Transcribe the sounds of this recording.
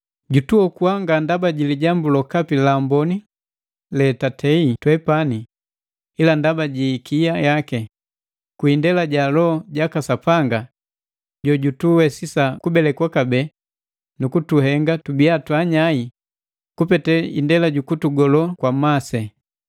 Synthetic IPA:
ɟutuɔkuaŋɡandabaɟiliɟambulɔkapilambɔni | lɛtatʰɛitwɛpani | ilandabaɟikijajakɛ | kwindɛlaɟalɔɟakasapaŋɡa | ɟɔɟutuwɛsisakubɛlɛkwakabɛ | nukutuɦɛŋɡatubiatwaɲai | kupɛtɛḭndɛlaɟukutuɡɔlɔkwamasɛ

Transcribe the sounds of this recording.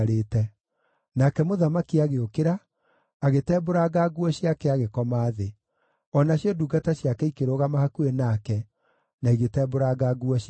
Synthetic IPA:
ɾeːtɛ | nakɛmoðamakiaɣeokeɾaː | ɣetɛːboɾaɡaɡwɔɕiakɛaɣekɔmaːðe | ɔnaɕiɔduɡataɕjakɛikeɾoɣamahakuenakɛ | naiɣetɛːboɾaɡaɡuɔɕ

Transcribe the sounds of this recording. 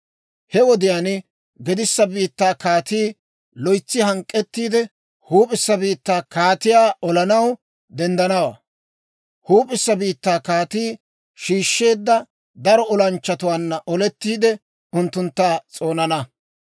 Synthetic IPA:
hɛwɔd̪ɪjaːn | ɡɛd̪ɪsːɐbiːt̪ːaːkaːt̪iː | lɔjt͡sːɪhɐŋkʼːɛt̪ːiːd̪ɛ | huːpʼɪsːɐbiːt̪ːaːkaːt̪ɪjaːʔɔlɐnɐw | d̪ɛnd̪ɐnɐwa̰ː | huːpʼɪsːɐbiːt̪ːaːkaːt̪iː | ʃiːʃːe̞ːd̪ːɐ | d̪ɐɾɔɔlɐnt͡ʃːɐt̪ʊwaːnːɐʔɔlɛt̪ːiːd̪ɛ | ʊnt̪ːʊnt̪ːaːt͡sʼo̞ːnɐnɐ

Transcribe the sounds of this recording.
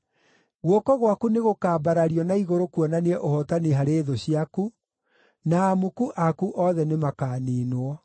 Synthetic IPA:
ɣwɔkɔɣwakuneɣokaːbaɾaɾiɔnaiɣoɾokuɔnaneɛʔohɔtaniɦaɾeðoɕiaku | naːmukuʔakuʔɔðɛnemakaːniːnwɔ

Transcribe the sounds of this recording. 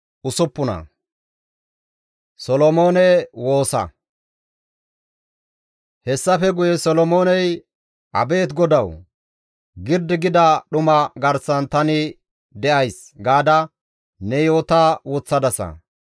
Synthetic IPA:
ʔʊsʊpːʊnɐ̰ | sɔlɔmo̞ːnɛwo̞ːsɐ̰ | hɛsːɐfɛɡʊjɛsɔlɔmo̞ːnɛj | ʔɐ̰be̞ːt̪ɡɔd̪ɐw | ɡɪɾd̪ɪɡɪd̪ɐɗʊmɐɡɐɾsɐnt̪ɐnɪ | d̪ɛʔɐjs | ɡaːd̪ɐ | nɛjo̞ːt̪ɐwɔt͡sːɐd̪ɐsɐ̰

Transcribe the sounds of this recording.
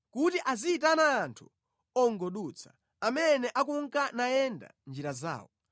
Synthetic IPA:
kutiʔaziːtanaːntʰu̥ | ɔŋɡɔɗut͡sʰḁ | amɛnɛʔakuŋkanajɛnda̰nd͡ʒiɾaza̰ːwɔ

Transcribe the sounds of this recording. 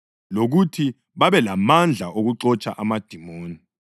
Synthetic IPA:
loɣutʰi | βaβɛlamand͡ɮʱaʔoɣuǀɔt͡ʃʼaʔamad̥ʱimoːni

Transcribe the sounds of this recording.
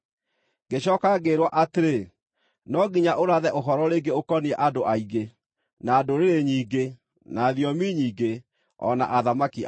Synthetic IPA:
ɡeɕɔːkaɡeɾwaʔateɾe | nɔɡiɲaʔoɾaðɛʔoɦɔɾɔɾeɡeokɔniɛʔadoʔaiɣe | naːdoɾeɾeɲiːɡe | naðjɔmiɲiːɡe | ɔ̰na̰ʔaðamaki

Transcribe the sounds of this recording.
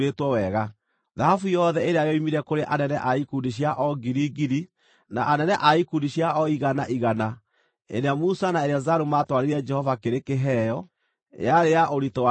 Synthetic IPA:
etwɔwɛɣa | ðahafujɔðɛeɾeajɔimiɾɛkoɾeʔanɛnɛʔaikundiɕ̬jaʔɔɡiɾiɡiɾi | naʔanɛnɛʔaikundiɕjaɔiɣanaʔiɣana | ḛɾeamusanaeɾeazaɾumaːtwaɾeɾiɛd͡ʒɛhɔvakeɾekeɦɛjɔ̰ | aɾeaʔoɾitɔwa

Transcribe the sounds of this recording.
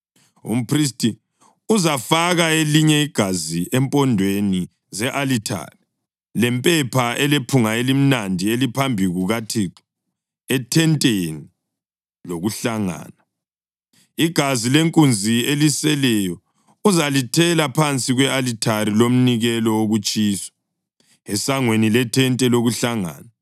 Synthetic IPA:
ṵm̩pʰris̬tʰʼi | uzafaɣaeliɲɛiɡ̥ʱaziʔɛmpʼɔndʱweni | zɛʔalitʰa̰ri | lɛmpʼɛpʰaɛlepʰuŋaelim̩nandʱielipʰambʱiɣuɣatʰiǁi | ɛtʰɛntʼeni | loɣuɬaŋa̰ːna | iɡ̥ʱazileŋkʼund͡zʱielisɛlɛjɔ | uzalitʰɛlapʰant͡sʼiɣwɛalitʰaɾilom̩niɣɛlɔoɣut͡ʃʼiːsɔ̥ | ɛsaŋwenilɛtʰɛntʼɛloɣuɬaŋa̰ːna

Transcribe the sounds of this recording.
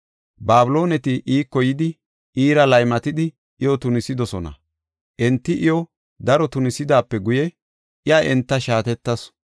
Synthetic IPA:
baːbɪlo̞ːnɛt̪ɪʔiːkːɔjɪd̪ɪ | iːɾɐlɐjmɐt̪ɪd̪ɪ | ɪjɔt̪ʊnɪsɪd̪ɔsɔnɐ̰ | ʔɛnt̪ːɪʔɪjɔ | d̪ɐɾɔt̪ʊnɪsɪd̪aːpːɛɡʊjɛ | ʔɪjaʔɛnt̪ːɐʃaːt̪ɛt̪ːɐs

